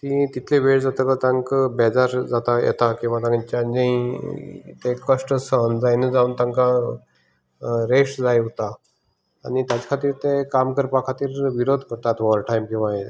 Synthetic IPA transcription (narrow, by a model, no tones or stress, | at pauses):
t̪ĩt̪it̪ʰleʋeɽd͡zat̪əkət̪ãŋkəbɛd͡zaɾd͡zat̪ajɛ̰t̪akĩw̃ʋat̪ãŋɡit͡ɕand͡ʑə̃ĩ | t̪ekəʂʈəsənd͡zajned͡zaũnt̪ãŋka | ɾeʂʈd͡zajɦt̪a̰ː | nit̪jat͡ɕḁkʰat̪iːɾt̪ekamkəɾpakʰat̪iːɾʋiɾod̪ʱkəɾt̪at̪ʋɔɾʈʰajmkĩw̃ʋae